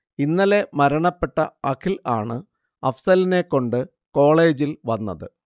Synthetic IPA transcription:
inːɐle̞mɐɾɐɳɐpːe̞ʈːɐɐkʰilaːɳɨ | ɐfsɐline̞kːo̞ɳɖɨ | ko̞ːɭe̞ːd͡ʑilʋɐnːɐðɨ

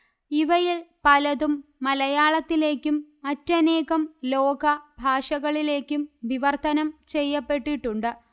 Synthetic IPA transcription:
iʋɐjilpɐlɐðumːɐlɐjaːɭɐt̪ːile̞ːkʲːumːɐtːɐne̞ːɣɐmlo̞ːɡɐbʱaːʂɐɣɐɭile̞ːkʲːumʋiʋɐrt̪ɐnɐmt͡ɕe̞jːɐpːe̞ʈːiʈːuɳɖɨ

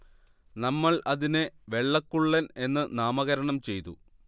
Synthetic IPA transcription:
nɐmːɐɭʔɐðinɨʋe̞ɭːɐkːuɭːɐne̞nːɨnaːmɐɣɐɾɐɳɐmt͡ɕe̞jt̪ṵ

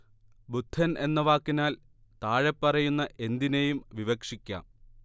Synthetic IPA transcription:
bud̪ʱːɐnʔe̞nːɐʋaːkːinaːl | t̪aːɻepːɐrɐjunːɐʔe̞nd̪inejumʋiʋɐkʂikʲːa̰ːm

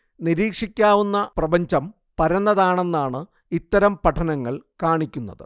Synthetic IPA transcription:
niɾiːkʂikʲːaːʋunːɐprɐbɐɲd͡ʑɐm | pɐɾɐnːɐðaːɳe̞nːaːɳɨ | it̪ːɐɾɐmpɐʈʰːɐnɐŋːɐɭkaːɳikʲːunːɐ̰ðɨ

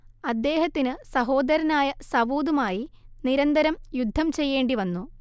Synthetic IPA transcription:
ɐd̪ːe̞ːɦɐt̪ːinɨsɐɦo̞ːd̪ɐɾɐnaːjɐsɐʋuːd̪umaːjiniɾɐnd̪ɐɾɐmjud̪ʱːɐmt͡ɕe̞jːe̞ːɳɖiʋɐnːu

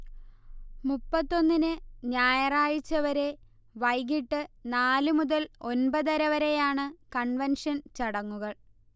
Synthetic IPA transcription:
mupːɐt̪ːo̞nːinɨɲaːjɐraːɻit͡ɕːɐʋɐɾe̞ | ʋɐjɣiʈːɨnaːlɨmuðɐlo̞nbɐðɐɾɐʋɐɾe̞jaːɳɨkɐɳʋɐnʂɐnt͡ɕɐɽɐŋːuɣɐɭ

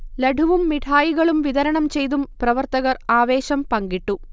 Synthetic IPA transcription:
lɐɖʱuʋumːiʈʰaːjiɣɐɭumʋiðɐɾɐɳɐmt͡ɕe̞jt̪umprɐʋɐrt̪ɐɣɐraːʋe̞ːɕɐmpɐŋɡiʈːu

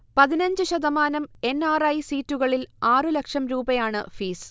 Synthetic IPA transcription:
pɐðinɐɲd͡ʑɨɕɐðɐmaːnɐme̞nːaːrɐjsiːtːuɣɐɭilaːrɨlɐkʂɐmɾuːbɐjaːɳɨ̰fiːs

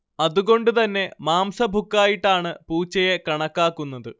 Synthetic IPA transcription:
ɐðuɣo̞ɳɖut̪ɐnːe̞maːmsɐbʱukːaːjiʈːaːɳɨpuːt͡ɕːɐjekɐɳɐkːaːkːunːɐðɨ

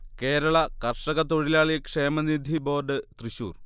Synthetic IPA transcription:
ke̞ːɾɐɭɐkɐrʂɐɣɐt̪o̞ɻilaːɭikʂe̞ːmɐnid̪ʱibo̞ːrɖɨt̪riɕṵːr

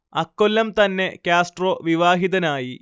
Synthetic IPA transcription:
ɐkːolːɐmt̪ɐnːe̞kʲjaːsʈro̞ːʋiʋaːɦiðɐnaːji

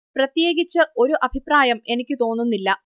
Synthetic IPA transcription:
prɐt̪je̞ːɡit͡ɕːɨo̞ɾuʔɐbʱipraːjɐme̞nikʲːɨt̪o̞ːnːunːilːɐ

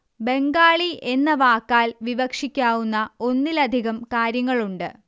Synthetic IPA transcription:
be̞ŋɡaːɭiʔenːɐʋaːkːaːlʋiʋɐkʂikʲːaːʋunːɐo̞nːilɐd̪ʱiɣɐmkaːɾjɐŋːɐɭuɳɖɨ

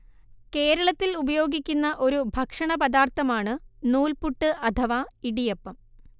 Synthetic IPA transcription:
ke̞ːɾɐɭɐt̪ːilubɐjo̞ːɡikʲːunːɐʔo̞ɾubʱɐkʂɐɳɐpɐd̪aːrt̪ːɐmaːɳɨnuːlpuʈːɨʔɐt̪ʰɐʋaːiɽijepːɐm

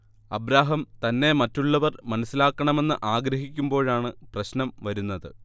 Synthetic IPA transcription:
ɐbɾaːɦɐmt̪ɐnːe̞mɐtːuɭːɐʋɐrmɐnɐsːilaːkːɐɳɐme̞nːɨʔaːɡɾɐɦikʲːumbo̞ːɻaːɳɨprɐɕnɐmʋɐɾunːɐðɨ

